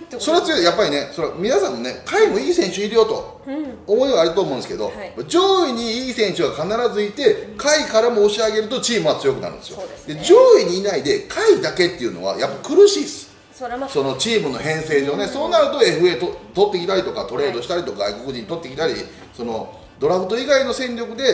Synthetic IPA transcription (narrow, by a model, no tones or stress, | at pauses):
so̞ɾe̞at͡sɨjojapːaɾʲine̞so̞ɾamʲinasãnːone̞kaimo̞iːsẽ̞ɰ̃ɕɨiɾɯ̟jo̞t̪o̞ | omo̞iβaːɾɯt̪omõnd̪esɨ̥ke̞d̪o̞̰pːd͡ʑo̞ːiɲ̟iiːsẽ̞ɰ̃ɕɨɡakanaɾazɨit̪e̞kaikaɾamo̞ːɕiaɡe̞ɾɯ̟t̪o̞t͡ɕiːmɯ̟βat͡sɨjo̞kɯna̰ɾɯ̰nd̪esɨjod̪e̞d͡ʑoːiɲ̟iːnaid̪e̞kʰaid̪ake̞t̪ːeiɯ̟no̞̰βa̰japːakɯ̟ɾɯ̟ɕiːsɨ̥ | so̞no̞t͡ɕiːmɯ̟no̞ɦẽ̞ɰ̃se̞ːʑo̞ːne̞so̞ːnaɾɯ̟t̪oe̞ɸɯ̟e̞ːt̪ot̪o̞t̪ːe̞kʲit̪aɾʲit̪o̞kat̪o̞ɾe̞ːd̪oɕi̥t̪aɾʲit̪o̞kaɡa̰iko̞kɯ̟ʑĩɲ̟it̪o̞t̪ːe̞kʲi̥t̪aɾʲḭ | so̞no̞ | d̪̥o̞ɾabɯ̟t̪o̞iɡaino̞sẽ̞nɾʲo̞kɯ̟d̪e̞